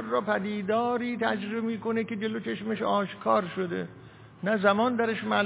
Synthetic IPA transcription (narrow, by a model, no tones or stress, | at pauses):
ɾːɒːpʰæd̪iːd̪ɒːɾiːt̪ʰæd͡ʒɾeemiːkonekʲe̞d͡ʒelot͡ʃʰeʃmeʃɒːʃkʰɒːɾʃod̪ḛ | næzæmɒːnd̪æɾeʃmæːl